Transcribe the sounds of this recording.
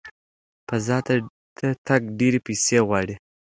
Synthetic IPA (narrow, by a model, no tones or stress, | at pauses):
pazɑt̪a | t̪ʰət̪aɡ̚ɖeɾepiseɣwɑɽi